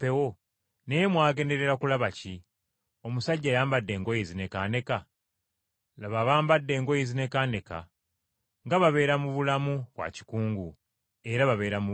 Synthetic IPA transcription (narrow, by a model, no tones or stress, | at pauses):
pewo | nemwaːɡe̞ːnde̞ɾe̞ɾakulaβaci | o̞musaɟːajaːmbadːe̞ːŋɡo̞jezine̞kaːne̞ka | laβaβaːmbadːe̞ːŋɡojizine̞kaːne̞ka̰ | ŋɡaβaβe̞ːɾamuβulamuβwa̰ci̥kuːŋɡu | e̞ɾaβaβe̞ːɾamu